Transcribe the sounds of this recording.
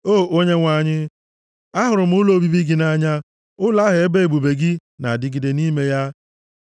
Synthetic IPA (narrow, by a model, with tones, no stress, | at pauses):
oː˦˨ʔo˦ɲe˦ŋʷa˨ɲɪ˦ | a˦ɦʊ˨ɾʊ˨m̩˦ʊ˦lo˦bi˦bi˦ɡɪ˨na˦ɲa˦ | ʊ˦la˦ɦe˨e˦be˦e˨ɡ͡bu˨be˨ɡɪ˦na̰˨dɪ˦ɡɪ˨de˨ni˦me˦ja˦